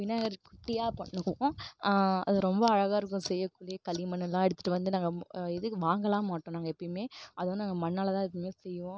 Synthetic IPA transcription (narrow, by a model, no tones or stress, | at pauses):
ɪnːaːɐɾkʊʈːɪjaːpɐɳːɯkːõː | ɐ̰ðɯɾɔmbɐɐɻɐɣaːɪɾɯk̬ːʊ̃sɛjːɐkːʊɭiɐkɐlɪmɐnːɛlːãːɛɽɯt̪ːɯ̥ʈːɯʋɐnd̪ɯnaːŋɡɐɛðɯʋaːŋɡɐlãːmaːʈːõːnaːŋɡɐɛpːɐɽɪmeːʔɐðɐoːnnaːŋɡɐmɐnːaːlɐt̪ãːɛpːɐɽɪmeːsɛjːɯʋõ